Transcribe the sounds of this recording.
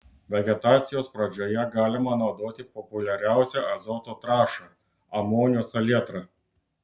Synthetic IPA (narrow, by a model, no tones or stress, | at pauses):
ʋʲɛɡʲɛt̪ɑːt̪sʲɪjoːspɾɐd͡ʒʲoːjɛɡɑːlʲɪmɐnɐʊd̪oːt̪ʲɪpɔpʊlʲɛɾʲæˑʊsʲɛɐzɔːt̪oːt̪ɾɑːʃɑ | ɐmoːnʲoːsɐlʲiɛt̪ɾɑ